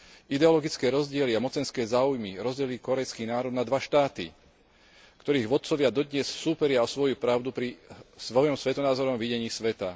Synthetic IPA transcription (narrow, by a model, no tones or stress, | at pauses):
id̪ɛɔlɔɡit͡skɛːɾɔzɟɪɛliamɔt͡sɛnskɛːzaːujmiɾɔzɟɛliːkɔɾɛjskiːnaːɾɔd̪nad̪ʋaʃt̪aːt̪ḭ | kt̪ɔɾiːɣʋɔt̪̚t͡sɔʋɪad̪ɔd̪ɲɛsːuːpɛɾɪaɔsʋɔjupɾaʊd̪upɾisʋɔjɔmsʋɛt̪ɔnaːzɔɾɔmʋiɟɛɲiːsʋɛt̪a